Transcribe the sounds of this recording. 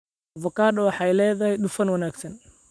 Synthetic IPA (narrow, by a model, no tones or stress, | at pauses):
vɐkaːdɐwɑħɑjlɛːðɐhɛjɗʊfɐnwɐnaːɡsɐn